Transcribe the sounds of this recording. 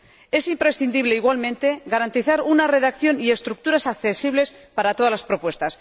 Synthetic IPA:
e̞simpɾe̞sθind̪iβle̞iɣwalmẽnt̪e̞ɣaɾant̪iθaɾunare̞ðakθjo̞nie̞st̪ɾuk̚t̪uɾasakθe̞siβ̞le̞spaɾat̪o̞ðalaspɾo̞pwe̞st̪as

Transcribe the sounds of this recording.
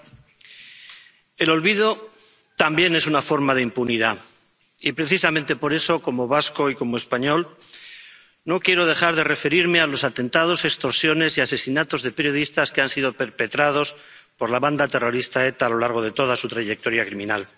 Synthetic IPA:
e̞lo̞lβið̞o̞ | t̪ambje̞ne̞sunafo̞ɾmaðe̞impuniða | ipɾe̞θisamẽnt̪e̞po̞ɾe̞so̞ko̞mo̞β̞asko̞iko̞moe̞spaɲo̞l | no̞kje̞ɾo̞ð̞eχaɾðe̞re̞fe̞ɾiɾme̞alo̞sat̪e̞nt̪aðo̞sekst̪o̞ɾsjo̞ne̞siase̞sinat̪o̞zðe̞pe̞ɾjo̞ð̞ist̪askeansiðo̞pe̞ɾpe̞t̪ɾað̞o̞s | po̞ɾlaβand̪at̪ero̞ɾist̪ae̞t̪aːlo̞laɾɣ̞oð̞e̞t̪o̞ð̞asut̪ɾaʝe̞k̚t̪o̞ɾjakɾimĩnal

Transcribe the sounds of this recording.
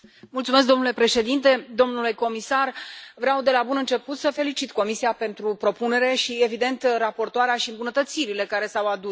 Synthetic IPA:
mult̪sumes̬k̚d̪omnule̞pɾe̞ʃe̞d̪int̪e̞d̪o̞mnule̞ko̞misarvɾeawd̪e̞labunɨnt͡ʃe̞put̪səfe̞lit͡ʃit̪ko̞misiape̞nt̪ɾupɾo̞pune̞ɾe̞ʃie̞vid̪e̞nt̪rapo̞rt̪oaɾeaʃiɨmbunət̪ət̪siɾile̞kaɾe̞sawad̪u

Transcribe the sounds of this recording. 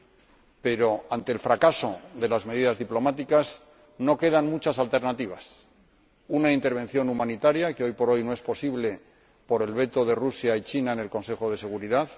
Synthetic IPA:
pe̞ɾo̞ant̪eːlfɾakaso̞ðe̞lazme̞ðiðazðiplo̞mat̪ikaz | no̞ke̞ðanmut͡ʃasalt̪e̞ɾnat̪iβ̞as | unaint̪e̞ɾβ̞e̞n̟θjo̞numãnit̪aɾjakeo̞jpo̞ɾo̞jnoe̞spo̞siβle̞ | po̞ɾe̞lβe̞t̪o̞ðe̞rusjait͡ʃinaene̞lko̞nse̞χo̞ð̞e̞se̞ɣuɾiðað

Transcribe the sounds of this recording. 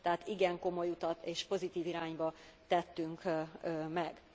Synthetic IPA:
t̪ɛɦaːt̪iɡɛŋko̞mo̞jut̪ɒt̪eːʃpo̞zit̪iːviɾaːɲbɒt̪ɛt̪ːyŋkːmɛɡ

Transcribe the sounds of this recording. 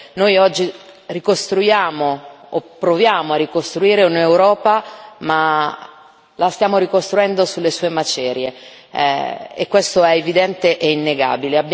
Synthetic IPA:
nojɔd͡ʒːi | rikost̪ɾujaːmoːpːɾovjaːmoarːikost̪ɾuiːɾeunewɾɔːpama | last̪jaːmoɾikost̪ɾuɛnd̪osulːesuːemat͡ʃɛːɾjḛ | ekːwest̪oɛevid̪ɛnt̪eʔeinːeɡa̰ːbileab

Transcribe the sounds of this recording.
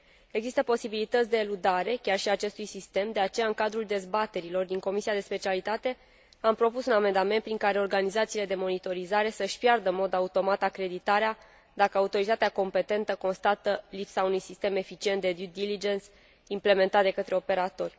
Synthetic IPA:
e̞ɡzist̪əpo̞sibilit̪ət̪sʲd̪eːlud̪aɾe̞kʲarʃiat͡ʃe̞st̪ujsist̪e̞md̪e̞at͡ʃe̞jaɨŋkad̪ɾuld̪e̞zbat̪e̞ɾilo̞rd̪iŋko̞misiad̪e̞spe̞t͡ʃialit̪at̪e̞ | ampɾo̞pusuname̞nd̪ame̞nt̪pɾiŋkaɾe̞o̞rɡanizat̪siːle̞d̪e̞mo̞nit̪o̞ɾizaɾe̞səʃʲpjard̪əmo̞d̪aut̪o̞mat̪akɾe̞d̪it̪aɾea | d̪akəaut̪o̞ɾit̪at̪eako̞mpe̞t̪e̞nt̪əko̞nst̪at̪əlipsaunujsist̪e̞me̞fit͡ʃiet̪d̪e̞d̪ud̪ilid͡ʒens | imple̞me̞nt̪at̪d̪e̞kət̪ɾe̞o̞pe̞ɾat̪o̞rʲ

